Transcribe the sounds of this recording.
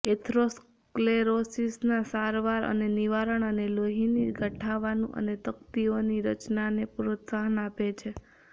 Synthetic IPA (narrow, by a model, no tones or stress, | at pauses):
et̪ʰɾos | kleɾosisnasaɾʋaɾə̰neniʋaɾəɳəneloɦiniɡʱəʈʰaʋanṵ̃ʔə̰net̪əkt̪ioniɾət͡ʃnanepɾot̪saɦənapet͡ʃʰe